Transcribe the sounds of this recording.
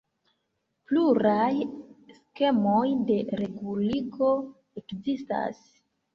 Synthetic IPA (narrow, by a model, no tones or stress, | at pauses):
pluɾajske̞mojde̞ɾe̞ɡuliko̞ | ekzista̰s